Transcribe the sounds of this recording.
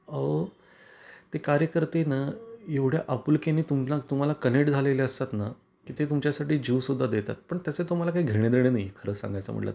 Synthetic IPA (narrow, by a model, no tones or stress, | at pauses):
əʋə | t̪ekaɾjəkəɾt̪enəjeʋɽ̤jaʔəpulkeniːt̪umlat̪um̤alakəneʈd͡zʱaleleəst̪at̪na | kiːt̪et̪umt͡ɕjasaʈiːd͡ʑiʋsud̪ʱːad̪et̪a̰t̪̚pəɳt̪jəset̪um̤alakaiɡʱeɽ̃ed̪eɽ̃enajkʰəɾəksa̰ŋɡajt͡sa̰m̤ə̰ʈla̰t̪